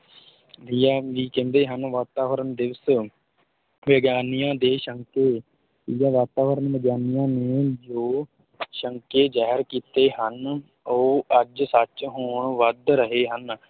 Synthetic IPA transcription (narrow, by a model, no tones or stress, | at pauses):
d̪ijaːʋiːkɛ̃ːnd̪eːɦənʋaːt̪aːʋəɾəɳd̪ɪʋəs | ʋəɡjaːnijãːd̪eːʃəŋkeː | jãːʋaːt̪aːʋəɾənʋəɡjaːnijãːneːd͡ʒoː | ʃəŋkeːd͡ʒaːɦəɾkiːt̪eːɦən | oːəd͡ʒsət͡ʃɦoːɳʋəd̪ɾəɦeːɦən